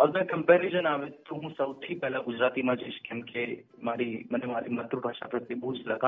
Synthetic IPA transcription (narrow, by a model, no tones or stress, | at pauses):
ɔɾmɛ̃kɐmpɛːɾeʃənaːʋet̪ːoɦũsɐwt̪ʰipɛɦlaɡʊd͡ʒɾaːt̪imãd͡ʒeʃkɛ̃mkʰe | maːɾimɐnemaːɾimɐt̪ɾubʱaːʃa̰pɾɐt̪ːjebʱud͡ʒlɐɡã